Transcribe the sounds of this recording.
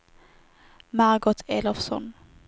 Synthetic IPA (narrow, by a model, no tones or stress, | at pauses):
maʁɡɔt̪ʰeːlɔfsɔ̰n